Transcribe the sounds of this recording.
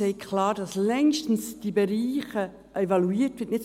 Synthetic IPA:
ɛɪkʰlɑːɾdɑslɛŋʃtn̩sd̥ibəɾiːχə | ʔevɑluiːtʋɪːtnɪt

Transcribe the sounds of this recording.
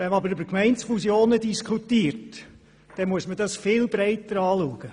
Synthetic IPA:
ʋɛnməɑbəɾybəkmɛɪnsfusjoːnədiskʰutiːɾt | d̥ɛmuəsmədɑsfɪlbɾɛɪtəɾɑːluəɡ̥ə

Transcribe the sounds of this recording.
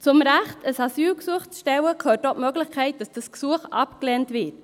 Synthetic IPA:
t͡sʊmɾæχtəsɑsyːlksuəχt͡sʃtɛwəkʰhøːtɔtmøɡlɪxkʰɛɪt̚d̥ɑsd̥əsksuəχɑ̰pklɛntʋɪːt

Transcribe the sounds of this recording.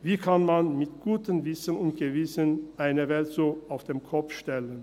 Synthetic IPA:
viːkʰanmanmɪtɡ̥uːtənvɪsənʊnt̚ɡ̥əvɪsənʔaɪnəvɛltz̥oːaʊfd̥eːmkʰɔp͡fʃtɛlən

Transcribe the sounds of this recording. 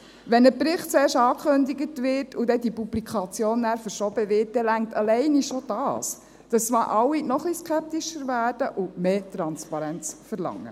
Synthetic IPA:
ʋɛnəpɾɪχtt͡sɛːɾʃtɑːkʰχøndiɡətʋɪɾtʰudɛdipublikʰɑt͡sjoːnːæːɾfəɾʃɔb̥əʋɪɾt̚d̥ɛlæŋ̚tɑlɛɪniʃɔd̥ɑːs | d̥ɑst͡sʋɑːʔɑwːinɔχliskʰɛp̚tiʃəɾvæːɾd̥əʔʊmeːtɾɑnspɑɾɛnt͡sfəɾlɑ̰ŋːə̰

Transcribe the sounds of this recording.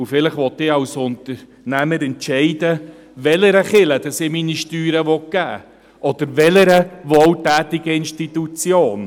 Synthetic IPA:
ufɪlɪχʋɔt̪ɪːɑwsʊnt̪əɾ | næməɾɛntt͡ʃɛɪdə | ʋɛləɾəχɪləd̥ɑsɪminiʃtyːɾəʋɔk̚ɡ̥æ̰ː | ʔɔd̪̥əɾʋɛləɾəʋɔːltæːtɪɡəɪnʃtitut͡sjoːn

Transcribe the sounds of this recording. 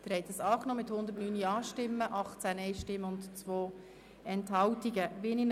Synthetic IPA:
d̥̪ɪɾhɛjt̪əsɑːknoːmɪt̪hʊnd̪ətnyːniɑːʃtɪmːəʔɑχt͡sænɛɪʃtɪmːəʊntt͡sʋoː | ɛnthɑwtiɡəʋinin

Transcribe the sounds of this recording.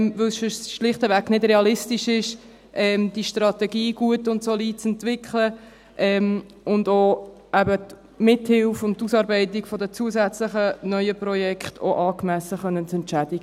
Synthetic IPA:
mvʏlsfɪsʃlɪχtəvæknɪdɾeɑlɪstiʃɪʃ | ʔɛmd̥iəʃtrɑtɛɡiːɡ̥uətʊntsoliːt͡sɛntʋɪkʰlə | ʔɛm | ʊndoː | æbə | mɪthɪlfʊnttːusɑːɾbɛɪtikfɔdət͡suəsæt͡slɪχənœʏəprɔjɛkχtʰo̰ʔɑːkmæsəχœnːənt͡sɛnt͡ʃædiɡə

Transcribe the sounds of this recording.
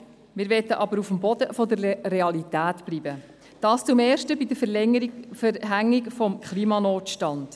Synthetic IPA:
mɪːɾʋɛtəʔɑbəɾufəmbɔd̥əfɔdəɾːeɑlitæːtb̥libə | d̥ɑːst͡sumɛːʃtəbid̪əɾfəɾfəɾɦæŋːikfɔmkχliːmɑnoːtʃtɑnd̥

